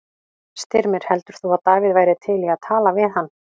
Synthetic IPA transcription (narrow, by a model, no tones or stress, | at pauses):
st̪ɪɾmɪɾ̥hɛl̪t̪ʏɾ̥θuaðt̪aːvɪðvaːjɾɪt̪ʰɪliaðt̪ʰaːlavɪðhanː